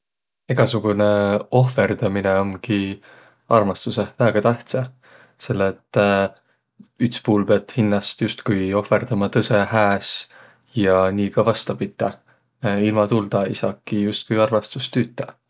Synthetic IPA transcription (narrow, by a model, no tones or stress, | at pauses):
eɡ̥ɑsuɡ̥une̞o̞hfe̞rd̪̥ɑmineo̞nki | ɑrmɑst̪use̞væːɡ̥ɑt̪æht̪sɑ | se̞lːet̪ːˑ | yt̪spuːlpeɑt̪hinːɑst̪just̪kujo̞hfe̞rd̪̥ɑmɑt̪ɤse̞hæːs | jɑniːkɑvɑst̪ɑpit̪ˑːɑ | ilmɑt̪uld̪̥ɑeijsɑ̰ːkːˑijust̪̚kujɑrmɑst̪ust̪yːt̪ːˑɑ